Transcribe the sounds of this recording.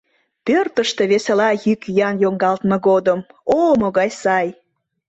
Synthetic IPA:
pørt̪əʃt̪e̽βeselɑjykjɑnjoŋɡɑlt̪mɤ̆ɣod̪əmomoɣɑjsɑj

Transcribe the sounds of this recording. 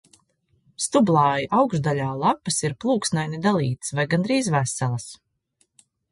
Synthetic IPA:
st̪ublˠɑːjiʔawɡʒd̪aʎʲaːlˠapasiɾplˠuːksnajnid̪alˠiːt̪svajɡand̪ɾiːzvæsɛlˠɐs

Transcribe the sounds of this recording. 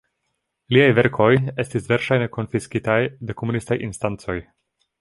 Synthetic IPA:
liajveɾkʰo̞je̞stisveɾʃajneko̞nfiskitajdekomunistajʔḭnstant͡so̞j

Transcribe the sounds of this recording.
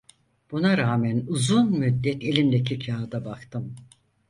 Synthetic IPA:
b̥unaɾaːmænuzunmyd̪ːɛt̪ʰe̞lʲimd̪ecʰicʰaːd̪abakt̪ʰɯm

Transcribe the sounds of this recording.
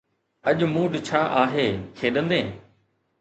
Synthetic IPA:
ɐʄmũːɖt͡ɕʰaːʔaːɦeːkʰeːɗə̃nd̪ẽː

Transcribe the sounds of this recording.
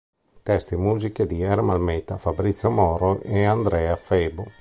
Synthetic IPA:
t̪ɛst̪imuziked̪iɛɾmalmɛt̪afabɾit̪sːjomɔɾoʔɛand̪ɾɛafɛbo

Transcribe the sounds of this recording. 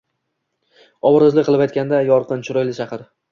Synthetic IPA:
ɒbɾzlɪqʰɨlˠɪpajt̪kʲand̪ajɒɾqɨnt͡ʃʰʊɾɒjlɪʃʰɑqɨɾ

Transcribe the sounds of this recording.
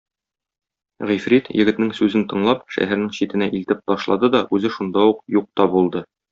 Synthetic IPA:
ʁifɾit̪jɘ̆ɡɘ̆t̪nɘŋsʉzɘnt̪ɤ̆ɴlˠɑpʃæ̰ɦæɾnɘŋɕit̪ɘ̆næʔilt̪ɘp̚t̪ɒʃlˠɑd̪ɤd̪ɒʔʉzɘʃund̪ɑuqjuq̚t̪ɒbulˠd̪ɤ

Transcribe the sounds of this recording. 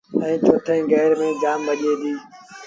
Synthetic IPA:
ɛ̃ːt͡ʃʰoːʈʰẽːɡɛːɾmẽːd͡ʒaːmʋəɗeːd̪iː

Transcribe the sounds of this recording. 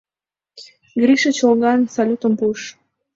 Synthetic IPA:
ɡɾiʃət͡ɕolɣɑnsɑlʲut̪əmpuʃ

